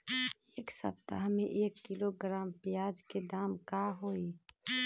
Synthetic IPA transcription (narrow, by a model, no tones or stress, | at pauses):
eːksə̰p̚t̪a̰ɦəmẽʔeːkːɪloɡɾaːmpjaːd͡ʒked̪aːmkaɦoːi